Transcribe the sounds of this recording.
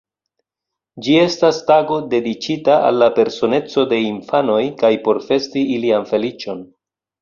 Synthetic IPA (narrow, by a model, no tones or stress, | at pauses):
d͡ʒie̞stastaɡo̞de̞dit͡ʃitaʔa̰lːape̞ɾso̞ne̞t͡so̞de̞infano̞jkajpo̞ɾfe̞stiilianfe̞lit͡ʃo̞n